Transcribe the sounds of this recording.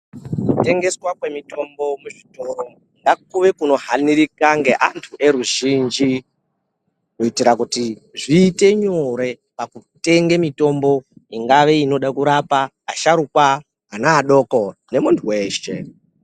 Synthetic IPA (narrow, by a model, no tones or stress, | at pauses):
kute̞ŋɡe̞swakwe̞mito̞mbo̞muʐito̞ɾo̞ | ŋɡak̚uʋe̞kuno̞ɦaniɾikaŋɡe̞ʔantʰuʔe̞ɾuʒind͡ʒi | noitiɾakutiʐiːte̞ɲoɾe̞ | pakute̞ŋɡemito̞mbo̞iŋɡaʋe̞ino̞ɗakuɾapaː | ʃaɾukwa | ɦanaːɗo̞kone̞muntʰuwe̞ːʃe